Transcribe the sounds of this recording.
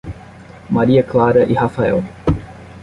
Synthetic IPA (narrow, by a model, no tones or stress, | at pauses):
maɾiɐklaɾɐʔihafaɛw